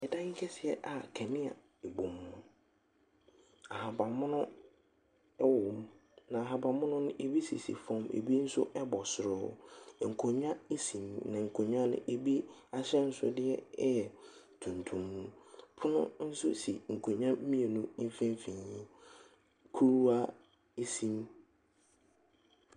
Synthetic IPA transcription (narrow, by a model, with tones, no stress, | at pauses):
ɛ˨dã˦ŋ̩˦kʰɛ˦sɪ˨ɛ˨˦ʔa˨kʰɛ˨nɪ̃˦a̰˨ | e˨bõ˨mːʊ̃˦ | a˨ha˨ba˨mʊ̃˦nʊ̃˦ | ɛ˦wʊ̃˨mnã˨a˨ɦa˨bã˨mʊ̃˦nʊ̃˦nʊ̃˦ʔe˨bi˦sḭ˨sḭ˨fɔ̃˦mḛ˨bi˦n̩˦sʊ̰˦ʔɛ˦bɔ˨sʊ˨ɾʊ˦˨ŋ̩˨kʰo˨ɲᶣ˦ã˦e˦sĩ˨mnã˨ŋ̩˨kʰo˨ɲᶣ˦ã˦nʊ̰̃˦ʔe˨bi˦a˦ɕɛ˦n̩˦sʊ̰˦dɪ˦ɛ˦ɛ˨ | tʰũ˨ntʰũ˨mːũ˦pʰʊ˦nʊ̃˦n̩˦sʊ̰˦si˨ŋ̩˨kʰõ˨ɲᶣ˦ã˦mĩ˦e˨nʊ̃˦m̩˦fĩ˦m˦fĩ˨ɲĩ˦ | kʰu˦ɾu˦a˦ | e˦sĩ˦m